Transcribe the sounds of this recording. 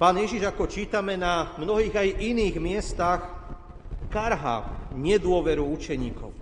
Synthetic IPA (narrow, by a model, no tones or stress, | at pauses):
paːnjɛʒiʒakɔt͡ʃiːt̪amɛnamnɔɦiːɣajiniːɣmɪɛst̪ax | kaɾɦa̰wɲɛd̪ʊɔʋɛɾuut͡ʃɛɲiːkɔ̰ʊ